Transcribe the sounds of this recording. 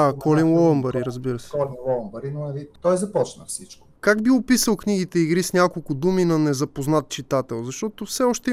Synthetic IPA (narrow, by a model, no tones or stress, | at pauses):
akʰɔlinlˠɔəmbɐɾiɾəzbiɾəsɛɔlinlˠɔəmbəɾinonɐlit̪ɔjzɐpɔt͡ʃnə̰fsit͡ʃko̥kaɡbiʊpisəlˠknʲiɡit̪ɛiɡɾisnʲakolˠkʊd̪uminɐnɛzɐpoznat̪̚t͡ʃit̪at̪ɛlˠzɐʃt̪ɔt̪ʊfsɛɔʃt̪ɛ